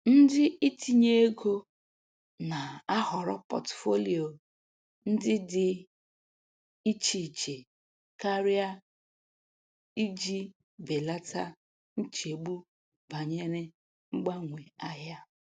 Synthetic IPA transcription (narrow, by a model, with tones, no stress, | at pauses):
n̩˦dɪ˦ʔi˦tʰi˨ɲe˦e˦ɡo˦ | na˨a˦hɔ˨ɾɔ˦pɔ̰˨tfo˦li˨o˨ | n̩˦dɪ˦dɪ˨ | i˦t͡ʃi˨t͡ʃe˨ | ka˦ɾi˦a˦ | i˦d͡ʒi˦ | be˨la˦ta˦ | n̩˦t͡ʃe˨ɡ͡bu˦ | ba˨ɲe˦ɾɪ˦ | ŋ͡m̩˦ɡ͡ba˦ŋʷe˨a˦ɦja˦